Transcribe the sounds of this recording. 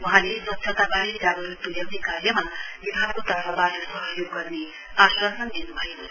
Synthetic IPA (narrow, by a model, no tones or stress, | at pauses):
wuɦãleswʌt̪ːsʰʌt̪abaɾid͡zaɡoɾit̪uljawnekarjʌmabibʱakot̪ʌɦʌbatosʌɦʌjoɡːʌrne | asasʌnd̪inubʱʌjo